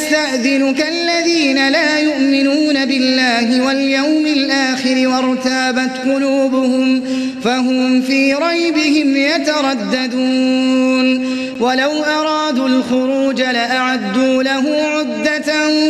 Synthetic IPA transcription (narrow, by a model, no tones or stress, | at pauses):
st̪aʔðɪnʊkaʔlːaðiːnalaːjʊʔmɪnuːnabɪlːaːɦɪwaljawmɪlʔaːxɪɾɪwɑɾˤt̪aːbat̪qʊluːbʊhʊm | faɦʊmfiːɾˤɑjbɪhɪmjat̪aɾˤɑd̪ːad̪uːn | walawʔɑɾˤɑːd̪uːlxʊɾuːd͡ʒalaʔaʕad̪ːuːlaɦʊmʕʊd̪ːa